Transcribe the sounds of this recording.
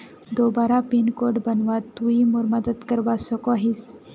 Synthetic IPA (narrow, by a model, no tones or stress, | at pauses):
d̪obaːɾapinkoɖbənʋat̪uimuɾməd̪əd̪kəɾʋasəkoɦis